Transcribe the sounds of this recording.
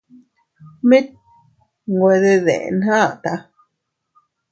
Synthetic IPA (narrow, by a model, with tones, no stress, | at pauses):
mĩ˦t̪̚ | ŋɡwe˧ðe˧ðḛ˨ʔnhã˦˨t̪a˧